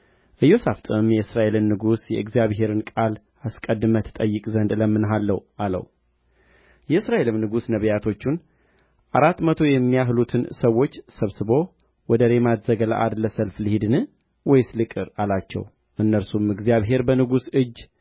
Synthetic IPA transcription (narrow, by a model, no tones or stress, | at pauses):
ʔɨjo̞saft̪ʼɨɨmjɛɨsɾaʔe̞lɨnːɨɡusjɛɨɡzijaβɦe̞ɾɨnkʼal | askʼəd̪ːɨmət̪ʰə̥t̪ʼəjːɨkʼzənd̪ɨləmːɨnɦalːəwʔalə̰w | jɛɨsɾaʔe̞lɨmnɨɡusnəβəjat̪ʰo̞t͡ʃːun | ʔaɾat̪ːmət̪ʰo̞jɛmːijaɦlut̪ʰɨnsəwːo̞t͡ʃːsəβsɨβo̞ | wɔd̪əɾe̞mat̪zəɡəla̰ʔad̪ləsəlflɨhid̪ɨnɨ | wɔjslɨkʼɨɾalat͡ʃːɛ̰w | ʔɨnːəɾsumɨɡzijaβɦe̞ɾbənɨɡusɨd͡ʒ